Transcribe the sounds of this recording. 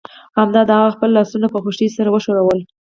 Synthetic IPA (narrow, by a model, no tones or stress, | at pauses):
hamd̪ɑd̪əaɣaxpəlːɑsunapəxuʃisaɾawəʃoɾawəl